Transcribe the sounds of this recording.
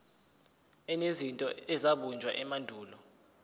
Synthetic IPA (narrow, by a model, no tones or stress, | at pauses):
ɛnezintʼɔ̰ɛzaɓund͡ʒʱwaʔɛmandʱuːlɔ